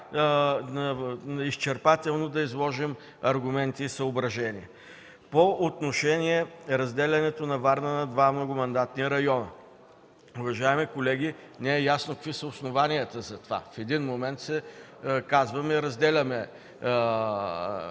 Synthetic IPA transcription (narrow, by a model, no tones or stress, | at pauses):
ist͡ʃɛɾpat̪ɛlˠnod̪ɐizlˠɔʒim | ɐɾɡʊmɛnt̪iːsɐobɾɐʒɛnʲiɛ | poot̪noʃɛnʲiɛɾɐzd̪ɛlʲɐnɛt̪onɐvaɾnənɐd̪vamnoɡʊmɐnd̪at̪niɾɐjɔnə | ʊvɐʒaimikolɛɡʲi | nɛɛjasnokɐkvisəʊsnovanijət̪əzɐt̪ova̰fɛd̪inmomɛnt̪sɛ | kazvɐmɛiɾɐzd̪ɛlʲɐmɛ